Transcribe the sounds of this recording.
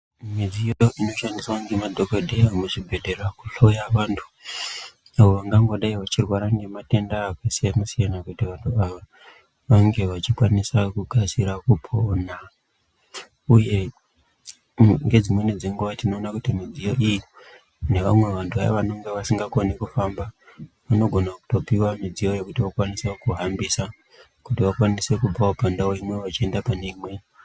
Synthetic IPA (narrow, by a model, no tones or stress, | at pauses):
mwed͡zijojoʔino̞ʃandiswaŋɡemadʱo̞kodʱeamuʐibʱe̞dʱe̞ɾakuɬojaʋantʰu̥ | aoʋaŋɡaŋɡo̞ɗaiʋat͡ʃirwaɾaŋɡe̞mate̞ndaːkesijanosijanakutiʋantʰuaʋa | ʋaŋɡe̞ʋat͡ʃikwanisakuɡʱasiɾakupʰona | uje̞ | ŋɡe̞d͡zimwe̞nid͡zeŋɡuʋatino̞ːnakutimid͡zijo̞ʔiji | ne̞ʋamwe̞ʋantʰua̰a̰ʋano̞ŋɡe̞ʋasiŋɡakonekufamba | ʋano̞ɡʱo̞naku̥to̞piwamid͡zijo̞jekutiʋokwanisekuɦambisa | kutiʋakwanise̞kubb͡vaopandaoimweʋat͡ʃie̞ndapaneimwe